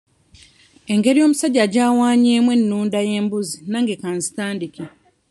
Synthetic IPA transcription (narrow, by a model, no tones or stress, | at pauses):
e̞ŋɡe̞ɾijo̞ːmusaɟːaɟaːwaːɲeːmwe̞nːuːndaje̞ːmbuzinaŋɡekanzi̥taːndiki